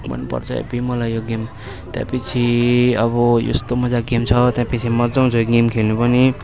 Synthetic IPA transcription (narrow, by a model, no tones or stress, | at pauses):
mʌ̰nːupʌ̰rt͡sʰʌ̰ḛbimʌlajjoɡem | t̪jã̰pit͡sʰiʌbʌjo̰st̪omʌd͡zaɡemt͡sʰʌt̪jãpit͡sʰimʌd͡zaw̃t͡sʰʌjoɡemkʰelnupʌni